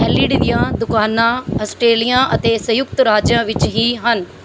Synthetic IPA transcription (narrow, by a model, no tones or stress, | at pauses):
ɛliːɽʋijãd̪ʊkaːnãɐsʈɾeːlijãʔɐt̪eːsɐjʊk̚t̪ɾaːd͡ʒjãʋɪt͡ʃɦiɦɐn